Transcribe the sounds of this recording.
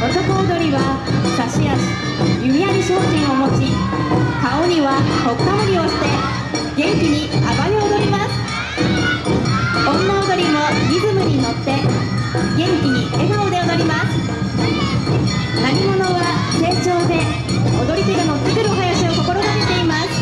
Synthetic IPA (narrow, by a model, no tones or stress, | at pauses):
o̞t͡ɕokoːd̪o̞ɾʲiβa | kaɕijaɕi̥ | jɯmʲijaɾʲiɕo̞ːʑĩɰ̃o̞mo̞t͡ɕikao̞ɲ̟iβaho̞kːaoɾʲio̞ɕi̥t̪e̞ | ɡẽ̞ŋkʲiɲ̟ikabaɲʲiood̪o̞ɾʲimasɨ̥ | õ̞nːaod̪o̞ɾʲimo̞ɡʲizɨmɯ̟ɲ̟ino̞t̪ːe̞ | ɡẽ̞ŋkʲiɲ̟ie̞ɡaod̪e̞o̞d̪o̞ɾʲimasɨ̥ | naɲʲimo̞no̞βase̞ːt͡ɕo̞ːd̪e̞ | od̪o̞ɾʲit̪ɯɡ̪ano̞t̪ːekɯɾɯ̟oɦajaɕio̞ko̞ko̞ɾoɡ̪aket̪e̞imasɨ̥